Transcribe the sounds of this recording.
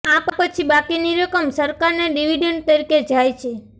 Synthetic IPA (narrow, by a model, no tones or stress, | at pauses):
appət͡ʃʰibakiniɾəkəmsəɾkaɾneɖiʋiɖeɳɖt̪əɾiked͡ʒajt͡ʃʰe